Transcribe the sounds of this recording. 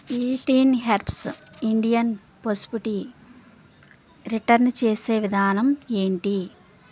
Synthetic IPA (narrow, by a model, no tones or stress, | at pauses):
iːʈiːnɦeɾpʰsiɳɖijɐn | pospiʈi | ɾiʈɐɾnt͡ʃeːseːʋid̪ʱaːnɐme̞ːɳʈi